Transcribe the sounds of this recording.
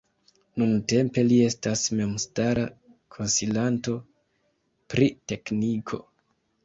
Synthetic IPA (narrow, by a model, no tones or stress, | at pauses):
nunte̞mpe̞lie̞stasme̞mstaɾa | kʰo̞nsilanto̞ | pɾite̞knikʰo̞̰